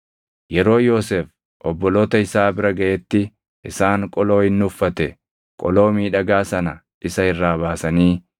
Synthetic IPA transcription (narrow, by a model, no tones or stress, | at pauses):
jɛɾo̞ːjoːseːf | ʔɔbːɔloːt̪ɐɪsaːbɪɾɐɡɐʔɛt̪ːɪ | ʔɪsaːŋkʼɔlo̞ːhɪnːʊfːɐt̪ɛ | kʼɔlo̞ːmiːᶑɐɡaːsɐnɐ | ʔɪsɐhɪrːaːβaːsɐniː